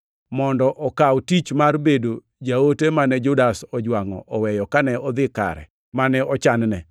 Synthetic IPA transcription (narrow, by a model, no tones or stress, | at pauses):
mɔndɔʔɔkawtit͡ʃmarbedo | d͡ʒaotemanɛd͡ʒʊdasɔd͡ʒwaŋɔ̰ʔɔwɛjɔkanɛɔd̪ɪka̰ɾɛ̰ | manɛɔt͡ʃannɛ̰